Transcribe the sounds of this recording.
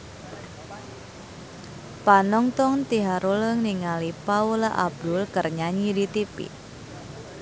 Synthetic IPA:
panɔŋt̪ɔŋt̪iɦaɾuləŋniŋalipaulʔa̰b̚dʊlkərɲaɲidit̪ipḭ

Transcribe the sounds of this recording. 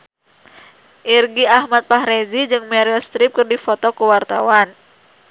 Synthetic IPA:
ʔirɡiahmat̪̚paɦɾezid͡ʒɨŋmɛɾiɔst̪ɾip̚kɨrdifot̪ɔkuwart̪a̰wan

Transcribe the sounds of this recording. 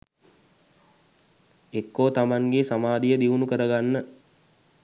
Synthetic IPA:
ekːoːt̪amaŋɡesamaːd̪ijəd̪iʋunukəɾəɡanːə

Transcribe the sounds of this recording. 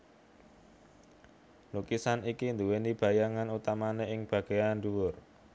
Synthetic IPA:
lukisanikind̪uwenib̥a̤jaŋanut̪amaneʔɪŋb̥ä̤ɡ̥e̤janɖ̪uwʊr

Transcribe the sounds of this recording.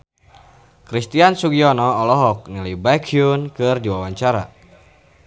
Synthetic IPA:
kɾist̪iansuɡiɔnɔːlɔɦɔk̚nilajbakʰiunkɨrdiwawaɲt͡ʃaɾa̰

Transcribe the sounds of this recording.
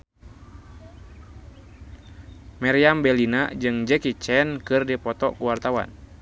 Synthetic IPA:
mɛɾiambɛlinad͡ʒɨŋd͡ʒɛkit͡ʃɛnkɨrdipɔt̪ɔ̰kuwart̪awa̰n

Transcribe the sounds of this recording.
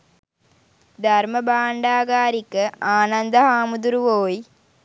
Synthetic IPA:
d̪ʱɐrmɐbaːɳɖaːɡaːɾikːəaːnɐnd̪ɐɦaːmud̪uɾuʋoːji

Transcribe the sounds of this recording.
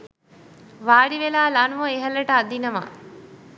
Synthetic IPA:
ʋaːɽiʋelaːlanʋəeɦɐləʈəad̪inəʋa̰

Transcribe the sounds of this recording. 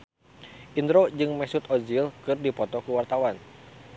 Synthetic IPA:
ʔind̪ɾod͡ʒɨŋmɛsut̪ɔd͡ʒilkɨrdipɔt̪ɔkuwart̪awan

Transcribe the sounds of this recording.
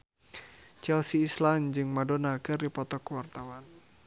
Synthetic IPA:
t͡ʃɛlsiːsland͡ʒɨŋmadɔnaɡərdipɔt̪ɔkəwart̪awan

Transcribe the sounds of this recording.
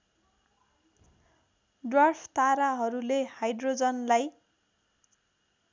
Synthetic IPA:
dwarpʰt̪aɾaɦʌɾulehajdrod͡zʌnlaj

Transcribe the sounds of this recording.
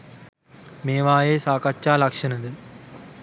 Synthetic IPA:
meːʋaːjeːsaːkɐt͡ʃːaːlɐkʂɐnɐd̪ɨ

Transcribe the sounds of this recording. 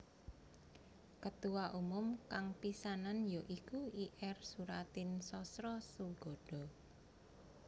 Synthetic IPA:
kət̪uwaʔumʊmkaŋpisananjoʔikuiʔɛrsuɾat̪ɪnsɔsɾɔsuɡɔ̤ɖ̥ɔ̤

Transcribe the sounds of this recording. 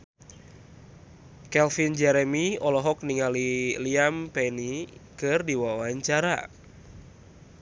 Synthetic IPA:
kɛlfind͡ʒɛɾemiɔlɔɦɔk̚niŋaliliampɛnikɨrdiwawaɲt͡ʃaɾa̰

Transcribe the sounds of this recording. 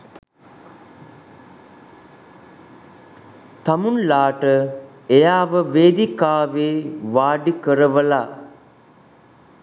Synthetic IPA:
t̪amunlaːʈə | ejaːʋəʋeːd̪ikaːʋeːʋaːɖikəɾəʋəla

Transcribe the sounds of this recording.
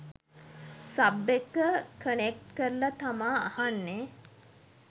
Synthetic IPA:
sabːekːəkʰənek̚ʈkəɾlat̪amaːahanːe

